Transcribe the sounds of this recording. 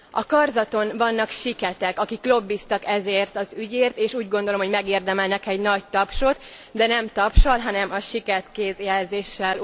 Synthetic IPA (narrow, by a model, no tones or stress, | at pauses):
ɒkɒrzɒt̪o̞nvɒnːɒkʃikɛt̪ɛkɒkikːlo̞bːist̪ɒkɛzeːrt̪ɒzyɟeːrt̪eːʃuːɟɡo̞nd̪o̞lo̞mho̞ɟmɛɡeːrd̪ɛmɛlnɛkɛɟnɒct̪ɒpʃo̞t̪ | d̪ɛnɛmt̪ɒpʃɒlɦɒnɛmɒʃikɛrt̪keːzjɛlzeːʃːɛl